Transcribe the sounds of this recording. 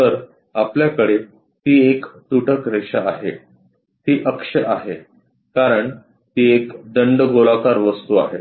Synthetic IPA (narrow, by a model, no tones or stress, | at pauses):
t̪əɾ | apljakəɽe | t̪iːekt̪uʈʰəkɾeɕa̰aɦe | t̪iːʔəkʂəʔaɦe | kaɾəɳ | t̪iːekɖəɳɖɡolakaɾʋəst̪ua̰ɦe